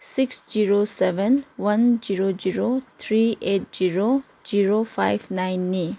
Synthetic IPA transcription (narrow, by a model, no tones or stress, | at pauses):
siksd͡ʒiɾosebɛnwɐnd͡ʒiɾod͡ʒiɾot̪ʰɾiet̚d͡ʒiɾo | ziɾopʰa̰jbnajnːi